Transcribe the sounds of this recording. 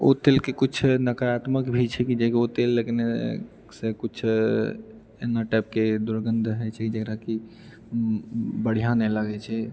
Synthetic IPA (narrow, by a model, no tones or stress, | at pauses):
o̰t̪elkekut͡ʃʰnəkəɾat̪məkbʱit͡ʃʰɛkid͡ʒekot̪elːekne | sekut͡ʃʰ | ḛnːaʈɛp̚ked̪uɾɡənd̪ʱɦɛt͡ʃʰɛkid͡ʒekɾaki | bəɽ̤ijãnɛlaɡɛt͡ʃʰɛ